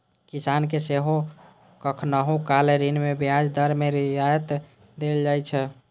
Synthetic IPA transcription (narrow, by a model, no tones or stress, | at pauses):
kisankeseɦo | kəkʰnaɦokaleɾinmebijad͡ʒd̪əɾmeɾiajət̪ | d̪eld͡ʒajt͡ʃʰɛ